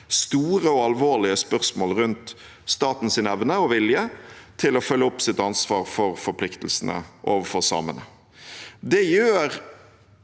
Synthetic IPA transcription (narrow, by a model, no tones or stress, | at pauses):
st̪uːʁəɔɑlʋoːlɪəspœʁsmoːlʁʉnt̪ | st̪ɑːt̪n̩sɪnɛʋnəɔʋɪljət̪ʰɪlɔfœlːəʊpsɪt̪ɑnsʋɑːɾfɔɾfɔɾpʰlɪkt̪l̩sənə̰ʔoːʋəfɔʁsɑ̰ːmə̰nə | d̪ɛjøːɾ